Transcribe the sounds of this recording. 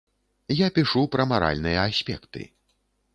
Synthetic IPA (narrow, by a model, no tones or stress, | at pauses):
japʲiʂupɾɐmaɾa̰lʲnɨjɐasʲpʲɛkt̪ɨ̰